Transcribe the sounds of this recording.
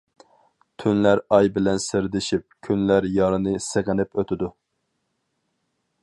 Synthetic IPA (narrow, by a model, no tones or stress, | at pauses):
t̪ʰynlæɾɑjbɪlɛnsɪɾd̪ɪʃip̚kʲʰynlæɾjɑɾɨnɨseʁɪnɪpøt̪ʰɪd̪u